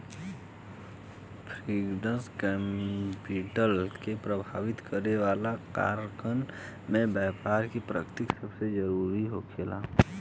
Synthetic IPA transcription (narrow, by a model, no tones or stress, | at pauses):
pʰɾiːɡɖə̃nskɛpiʈəlkepɾəbʱaːʋɪt̪kəɾeʋaːlaka̰ːɾkən | mẽbɛːpaːɾkipɾə̰kt̪ɪksəbsed͡ʒəɾuːɾiɦokʰeːla̰ː